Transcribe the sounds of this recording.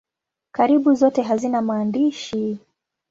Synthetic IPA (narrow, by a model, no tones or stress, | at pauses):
kaɾiɓuzɔtɛɦazinamaːndiʃi